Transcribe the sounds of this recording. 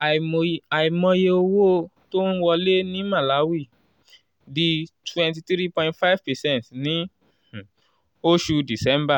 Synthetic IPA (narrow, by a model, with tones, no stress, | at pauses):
a˨i˨mɔ̃˧je˧o˧wo˦to˦n̩˦wɔ˧le˦nĩ˦ma˦˨la˨˦wi˦˨ | di˨twɛ̃˨nti˧tɾi˦pɔ̃˨ĩntfa˦ɪ˦v̥pɛ˨sɛ̃˦ntnĩ˨˦˨ | o˦ʃu˧di˨sɛ̃˦mba˦˨